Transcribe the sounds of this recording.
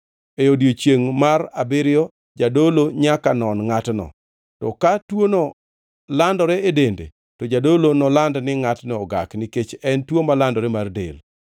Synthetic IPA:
ejodjot͡ʃjeŋmarabɪɾɪɔ | d͡ʒadoloɲakanɔnŋatnɔ̰ | tɔkatwonɔ | landɔɾɛedendḛ | tɔd͡ʒadolonɔlandnɪŋatnɔɔɡa̰kniket͡ʃɛntwomalandɔɾɛmardḛl

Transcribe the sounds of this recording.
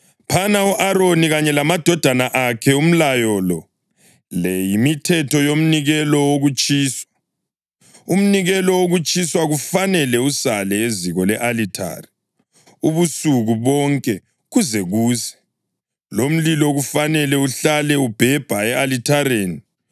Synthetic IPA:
pʰanauʔaɾoniɣaɲɛlamad̥ʱɔd̥ʱanaʔakʰɛum̩lajɔlɔ | lɛjimitʰɛtɔjom̩niɣɛlɔoɣut͡ʃʼiːswḁ | um̩niɣɛlɔoɣut͡ʃʼiswaɣufanɛlɛusalɛeziɣɔlɛʔalitʰa̰ri | uβusuɣuβɔŋkʼɛ | ɣuzɛɣuːzɛ̥ | lom̩lilɔɣufanɛlɛuɬalɛub̥ʱɛb̥ʱaɛalitʰaɾeːni

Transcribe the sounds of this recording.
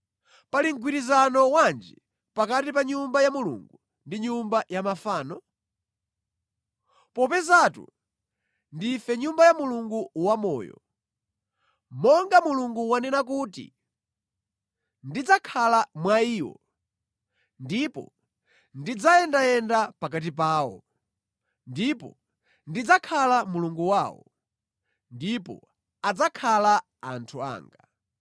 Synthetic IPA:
paliŋ̩ɡwiɾizanɔwand͡ʒi | pakatip̬aɲumbajamulṵŋɡu | ndiɲumbajamafaːnɔ | pɔpɛzatṵ | ndifɛɲumbajamuluŋɡuwamɔ̰ːjɔ̰ | mɔŋɡamuluŋɡuwanɛnak̬uːtḭ | ndid͡zakʰalamwaiːwɔ̰ | ndipɔ̰ | ndid͡zaɛndajɛndapak̬at̬ip̬aːwɔ̰ | ndipɔ̰ | ndid͡zakʰalamuluŋɡuwawɔ̰ | ndipɔ̰ | ad͡zakʰala | antʰua̰ːŋɡa

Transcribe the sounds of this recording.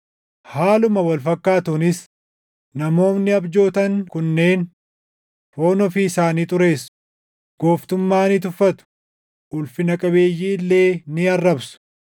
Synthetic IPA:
haːlʊmɐwɐlfɐkːaːt̪ʊnɪs | nɐmo̞ːmnɪɐbd͡ʒo̞ːt̪ɐŋkʊnːe̞ːn | fo̞ːnɔfɪːsaːniːt̪ʼʊɾe̞ːsʊ̥ | ɡ̥o̞ːft̪ʊmːaːnɪt̪̬ʊfːɐt̪ʊ̥ | ʔʊlfɪnɐkʼɐbe̞ːjːiːlːe̞ːnɪɐrːɐbsʊ̥

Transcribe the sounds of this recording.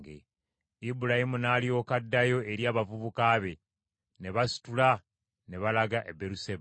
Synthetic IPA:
ɡḛ | ibuɾahimunaːlio̞ːkadːajo̞eɾjaːβavuβukaːβe̞ | ne̞βasi̥tula | ne̞βalaɡaʔebeɾuseβ

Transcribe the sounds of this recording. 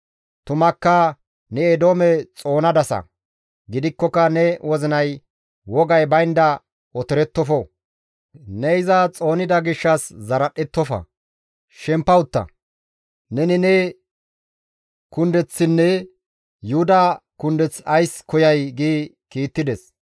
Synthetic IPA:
t̪ʊmɐkːɐ | nɛɛd̪oːmɛt͡sʼo̞ːnɐd̪ɐsɐ̰ | ɡɪd̪ɪkːɔkːɐnɛwɔzɪnɐj | wɔɡɐjbɐjnd̪ɐ | ɔt̪ɛɾɛt̪ːɔfɔ | nɛɪzɐt͡sʼo̞ːnɪd̪ɐɡɪʃːɐszɐɾɐɗɛt̪ːɔfɐ̰ | ʃɛmpːɐʊt̪ːɐ̰ | nɛnɪnɛ | kʊnd̪ɛt͡sːɪnːɛ | jʊhʊd̪ɐkʊnd̪ɛt͡sɐjskʊjɐjɡiː | kiːt̪ːɪd̪ɛs

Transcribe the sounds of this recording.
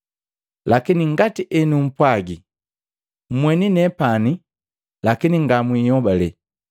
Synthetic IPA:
lakiniŋɡatiʔɛnum̩pwaɡi | m̩mwɛninɛpani | lakiniŋɡamwijɔbalɛ

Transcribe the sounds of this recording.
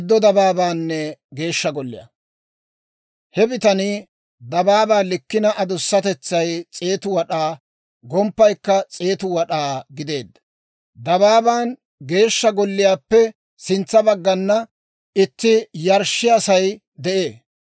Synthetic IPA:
d̪ːɔd̪ɐbaːbaːnːɛɡe̞ːʃːɐɡɔlːɪ̰jɐ̰ | hɛbɪt̪ɐniː | d̪ɐbaːbaːlɪkːɪnɐʔɐd̪ʊsːɐt̪ɛt͡sːɐjt͡sʼeːt̪ʊwɐɗaː | ɡɔmpːɐjkːɐt͡sʼe̞ːt̪ʊwɐɗaːɡɪd̪e̞ːd̪ːɐ̥ | d̪ɐbaːbaːn | ɡe̞ːʃːɐɡɔlːɪjaːpːɛ | sɪnt͡sːɐbɐɡːɐnːɐ | ɪt̪ːɪjɐɾʃːɪjasɐj | d̪ɛʔe̞ː

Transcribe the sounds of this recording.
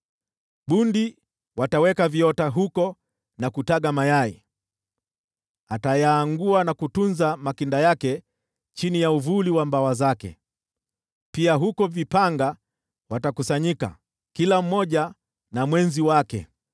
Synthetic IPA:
ɓundi | watawɛkaviɔtaɦukɔ | nakutaɠamajaḭ | atajaːŋɡuanakutunzamakindajakɛ | t͡ʃinijauvuliwambawazakɛ̰ | piaɦukɔvipaŋɡa | watakusaɲika̰ | kilam̩mːɔʄa | namwɛnziwakɛ̰

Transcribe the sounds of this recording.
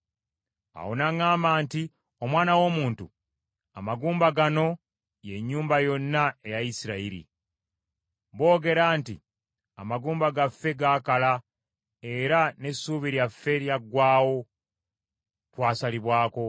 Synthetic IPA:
a̰wonaŋaːmbaːnti | o̞mwaːnawo̞ːmuːntu | amaɡuːmbaɡano̞ | je̞ɲːuːmbajo̞nːae̞jaisiɾaiɾḭ | βo̞ːɡe̞ɾaːnti | amaɡuːmbaɡafːe̞ɡaːkala | e̞ɾane̞suβiɾjafːe̞ɾjaɡwaːwo̞ | twaːsaliβwaːko̞

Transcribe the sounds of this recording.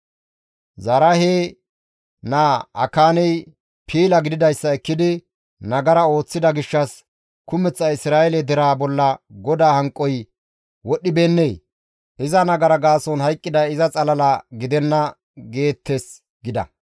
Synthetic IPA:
zɐɾɐheː | naːɐ̰kaːnɛj | pʰiːlɐɡɪd̪ɪd̪ɐjsːɐɛkːɪd̪ɪ | nɐɡɐɾɐo̞ːt͡sːɪd̪ɐɡɪʃːɐs | kʊmɛt͡sːɐɪsɾaːjɛlɛd̪ɛɾaːbɔlːɐɡɔd̪aːhɐŋkʼːɔj | wɔɗːɪbeːnːeː | ɪzɐnɐɡɐɾɐɡaːsɔnhɐjkʼːɪd̪ɐɪzɐt͡sʼɐlɐlɐɡɪd̪ɛnːɐ | ɡe̞ːt̪ːes | ɡɪd̪ɐ̰

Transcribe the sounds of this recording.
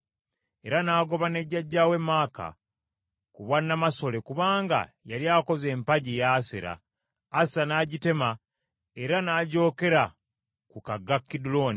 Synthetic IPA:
e̞ɾanaːɡo̞βane̞ɟːaɟːaːwe̞mːaːka̰ | kuβwanːamaso̞le̞kuβaːŋɡa̰ | jaljaːko̞ze̞ːmpaɟijasḛɾa̰ː | sanaɟite̞ma | e̞ɾanaːɟo̞ːke̞ɾa | kukaɡːakːidulo̞ːni

